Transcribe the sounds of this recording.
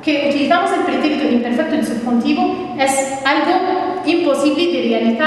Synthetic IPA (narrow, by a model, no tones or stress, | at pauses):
keut̪iliθamoselpɾit̪ekt̪oimpeɾfek̚t̪od̪supxunt̪iβo | es | alɣoimposiβled̪erealiθa